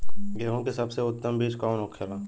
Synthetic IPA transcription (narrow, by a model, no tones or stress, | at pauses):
ɡeɦõkesɐbseʊt̪ːəmbʱiːd͡ʒkɔːnoːkʰelaː